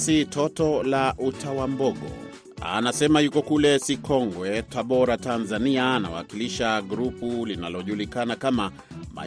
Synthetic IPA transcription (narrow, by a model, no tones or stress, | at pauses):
sitɔtɔlaʔutawambɔɠɔ̰ | a̰nasɛmajukɔkulɛsikɔŋɡwɛtaɓɔɾatanzaniaːna̰wa̰kiliʃaɡuɾupulinalɔʄulikanakama | ma̰